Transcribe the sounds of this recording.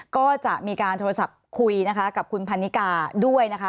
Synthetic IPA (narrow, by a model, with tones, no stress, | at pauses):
kɔː˥˩t͡ɕa˨˩ʔmiː˧kaː˧nt̪ʰoː˧ɾa˧sa˨˩p̚kʰu˧jna˦˥kʰa˦˥ka˨˩p̚kʰu˧npʰa˧nːi˦˥kaː˧du˥˩əjna˦˥kʰa˦˥